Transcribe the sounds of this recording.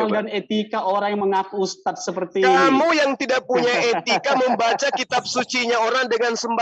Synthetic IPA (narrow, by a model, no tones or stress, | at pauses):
ldanet̪ikaʔoɾaŋjməŋakuːst̪at̪̚səpərt̪ikamujaŋt̪idaʔ̚puɲaʔet̪ikaməmbat͡ʃakit̪ap̚sut͡ʃiɲaoɾaŋdəŋansəmba